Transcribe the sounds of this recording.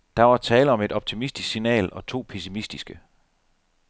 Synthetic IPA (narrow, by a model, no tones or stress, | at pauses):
d̥ɑ̈ʋɑ̈t͡sʰɛːləɒ̽me̝d̥ɒ̽b̥̚t͡sʰimisd̥isksinɛ̰ːlɒ̽t͡sʰo̝̰ːpʰesimisd̥isɡ̥ə